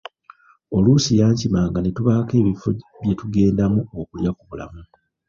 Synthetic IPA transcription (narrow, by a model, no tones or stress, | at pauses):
o̞lusijaːɲcimaːŋɡanetuβaːke̞ːβifoβje̞tuɡe̞ːndamuokuljakuβula̰mu